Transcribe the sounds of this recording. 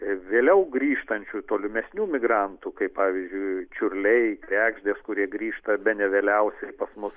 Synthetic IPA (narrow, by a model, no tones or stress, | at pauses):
ʋʲeːlʲɛʊɡɾʲiːʃt̪ɐnʲt͡ʃʲut̪oːlʲʊmʲɛsʲnʲuːmʲɪɡɾɐnt̪ukɐɪppɑːʋʲizʲd͡ʒʲʊɪt͡ʃʲʊrʲlʲɛɪkɾʲæːɡʒʲd̪ʲeːskʊɾʲiɛɡɾʲiːʃt̪ɐbʲɛnʲɛʋʲeːlʲɛʊsʲɛɪpɐsmʊs